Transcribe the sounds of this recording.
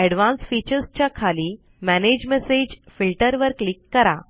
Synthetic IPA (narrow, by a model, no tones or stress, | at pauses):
ɛɽʋãnsfit͡ɕəɾst͡ɕjakʰaliː | mæned͡ʑmesed͡ʑfilʈəɾʋəɾklikːəɾa̰